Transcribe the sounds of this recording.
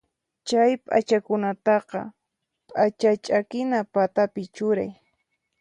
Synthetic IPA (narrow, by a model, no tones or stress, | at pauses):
t͡ʃajpʼa̰t͡ʃakʊnat̪ɑqɑ̰ | pʼat͡ʃat͡ʃʼakɪnapat̪apɪt͡ʃʊɾaj